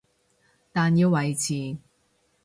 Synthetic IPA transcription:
t̪aː˨njiː˧wwɐ˨jt͡sʰiː˨˧

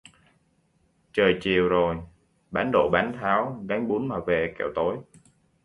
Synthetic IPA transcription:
t͡ɕəː˨˩jt͡ɕi˨˩əwzo˨˩j | ɓaː˨˦nɗo̰˧˨ɓaː˨˦nt̪ʰaː˨˦wɣaː˨˦ŋɓu˨˦nmaː˨˩ve˨˩kɛ̰˧˩˨wt̪o˨˦j

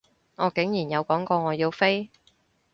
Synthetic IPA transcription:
ŋɔː˨˧kɪ˨˥ŋjiː˨˩njɐ˨˧wkɔː˨˥ŋkɔː˧ŋɔː˨˧jiː˧wfe˥j

